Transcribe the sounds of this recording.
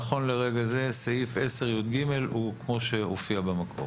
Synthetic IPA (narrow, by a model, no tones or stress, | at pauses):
χo̞nleʁeɡaze̞saife̞seʁjud̪̚ɡime̞lukmo̞ʃe̞hofiabamakʰo̞̰